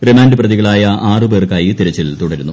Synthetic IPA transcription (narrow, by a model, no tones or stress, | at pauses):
remaːndiprɐðiɣɐɭaːjɐaːrɨbeːrkaːjit̪iɾɐt͡ɕːilt̪uɽɐɾunːu